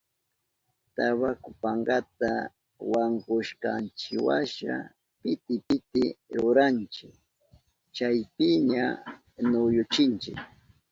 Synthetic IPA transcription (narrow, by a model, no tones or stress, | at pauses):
t̪aβakʊpaŋɡat̪a | waŋkʊʃkant͡ʃɪwaʃa̰ | pɪt̪ɪpɪt̪ɪɾʊɾant͡ʃɪk | t͡ʃajpɪɲa | nʊjʊt͡ʃɪnt͡ʃɪ̰k